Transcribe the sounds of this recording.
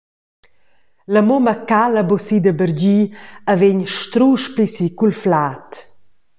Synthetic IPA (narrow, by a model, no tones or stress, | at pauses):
ləmoməkaləbosid̪əbəɾd͡ʑiaveɲʃt̪ɾuʃpisikulflat̪